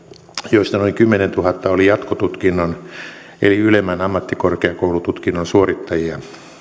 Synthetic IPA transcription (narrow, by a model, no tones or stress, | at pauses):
joist̪ɑnoiŋkymːenent̪uhɑt̪ːɑolijɑt̪kot̪ut̪kinːon | ḛliylemːænɑmːɑt̪ːikorkeɑkoulut̪ut̪kinːonsuorit̪ːɑjiɑ